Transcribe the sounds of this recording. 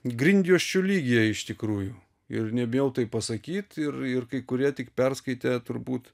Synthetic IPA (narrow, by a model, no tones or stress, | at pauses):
ɡɾʲɪnʲd̪ʲɪjoːʃʲt͡ʃʲʊlʲiːɡʲɪjɛɪʃt̪ʲɪkɾuːjʊ | ɪrnʲɛbʲɪjɛʊt̪ɐɪpɐsɐkʲiːt̪ɪrɪrkɐɪkʊɾʲiɛt̪ʲɪkpʲɛrskɐɪt̪ʲet̪ʊɾbuːt̪